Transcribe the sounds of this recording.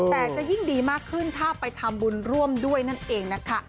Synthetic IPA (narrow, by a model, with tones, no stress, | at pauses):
t̪ɛː˨˩t͡ɕa˨ʔji˥˩ŋdiː˧maː˥˩kʰːɯ˥˩nt̪ʰaː˥˩pa˧jt̪ʰa˧mbu˧nɾu˥˩əmdu˥˩əjna˥˩nʔeː˧ŋna˦˥kʰa˦˥